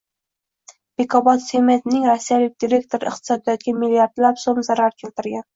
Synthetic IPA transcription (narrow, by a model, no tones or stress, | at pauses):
b̥ekʰɒbɒt̪semet̪nɪŋɾasːijalɪk̚ʲd̪ʲiɾʲe̞k̚t̪ʰoɾɪɪ̰qt̪ʰɪ̥sɒd̪ɪd̪aɡʲɪmilːijaɾd̪lapsomzaɾaɾkʲʰe̞lt̪ɪɾɡʲan